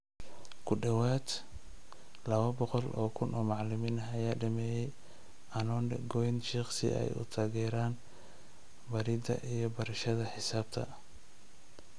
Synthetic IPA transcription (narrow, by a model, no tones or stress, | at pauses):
kʰʊɖɐwaːd̪ | lɐβɐbɔqɔlʔɔ̰ːkʰʊnʔɔːmɑʕlɪmiːnɐɐjaːɖɐmɛːjɛj | ʔɐnɔnɡɔjnʃiqsɪ̰ʔɛ̰jʊ̰t̪ʰaːɣɛːɾaːn | bɐɾɪd̪ɐ̰ʔijɔbɐɾɐʃɐðɐħɪsaːb̥̚t̪ʰɐ̰